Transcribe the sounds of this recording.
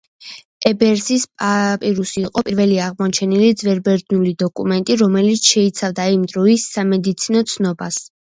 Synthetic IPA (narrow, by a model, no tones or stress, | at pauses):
ɛbɛɾsispʼapʼiɾusiːqʼɔpʼiɾvɛliaʁmɔt͡ʃʰɛnilid̪zvɛɾbɛɾd̪nulid̪ɔkʼumɛnt̪ʼiɾɔmɛlit̪sʰʃɛit̪sʰavd̪aimd̪ɾɔisːamɛd̪it̪sʰinɔt̪sʰnɔbas